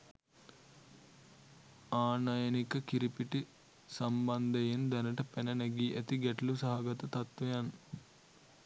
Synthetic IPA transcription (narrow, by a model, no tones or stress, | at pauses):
aːnajɐnikɐkiɾipiʈi | sɐmbɐnd̪ɐjind̪ɐnɐʈɐpenɐnɐɡiːʔet̪iɡeʈlusɐɦɐɡɐt̪ɐt̪ɐt̪ʋɐjɐn